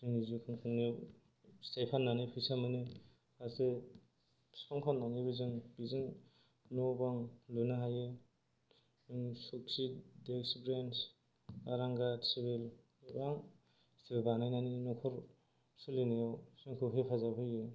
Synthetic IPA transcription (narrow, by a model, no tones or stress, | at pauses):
zɯŋizukʰɯŋkʰɯŋni | stajpʰanːanɯpʰɯjsamɯni | ase | sɔŋkʰɔnːaŋibizɯŋbizɯŋ | nɔbaŋlunɯɦajɯ | ɯŋsuk̚sideksbɾens | aɾaŋɡatsibel | baŋ | stʰebanajnaninɔkʰɔɾ | sɯlinijawsɯŋkʰɯɦepʰazabʰɯjɯ